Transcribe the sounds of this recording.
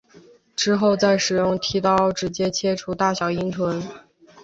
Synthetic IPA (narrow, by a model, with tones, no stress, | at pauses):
ʈ͡ʂɻ̩˥xo˥˧ʊt͡sa˥˩ɪʂɻ̩˨˩jʊ˥˩ŋt̪ʰi˧˥t̪ɑ˥ʊʈ͡ʂɻ̩˧˥t͡ɕjɛ˥t͡ɕʰjɛ˥ʈ͡ʂʰu˧˥t̪a˥˩ɕjɑ˨˩ʊi˥ŋt͡sʰwə˧˥n